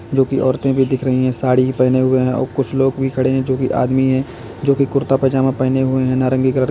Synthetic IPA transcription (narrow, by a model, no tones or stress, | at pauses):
d͡ʒoːkiʔɔːɾt̪ẽbʱid̪ɪkʰɾɐɦiɦɛ̃saːɽiipɛɦneɦʊeɦɛ̃ɔ̰ːɾkʊt͡ʃʰloːɡbʱikʰɐɽeɦɛ̃d͡ʒoːkiʔa̰ːd̪miɦɛ̃ː | d͡ʒoːkikʊɾt̪apɐd͡ʒamẽpɛɦneɦʊeɦɛ̃naːɾə̃ŋɡiɡəɾəɽ